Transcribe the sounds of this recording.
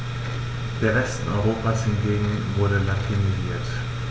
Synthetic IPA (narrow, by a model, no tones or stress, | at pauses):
d̥eːɐʁɛstn̩ʔɔʏʁ̞oːpaːshɪnɡeːɡŋ̩vʊɐɾəlatʰiniziːɐt